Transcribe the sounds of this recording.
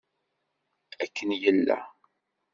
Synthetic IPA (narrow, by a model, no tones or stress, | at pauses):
ækːənjəlːæ̰